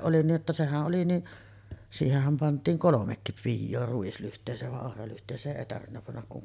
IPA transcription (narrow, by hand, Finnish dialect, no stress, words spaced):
ʔoli niːʔ ʔetːæ sehæʔ ʔoli niʔ siːhehˑæm pɑntˑiːŋ kolomekːip pijːoː ruislyhtˑeːsˑeːʋ ʋɑʔ ʔohrɑlyhtˑeːsˑeːʔ ʔeˑi tɑrʋinːɑ pɑnːɑk kuŋ